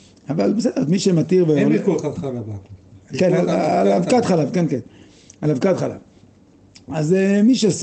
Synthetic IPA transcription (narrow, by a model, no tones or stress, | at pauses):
avalbesɛd̥̪eʁzmiʃemat̪iʁveolkoaala | kenalalavkat̪χalavkenken | alavkat̪χala̰v | azemiʃes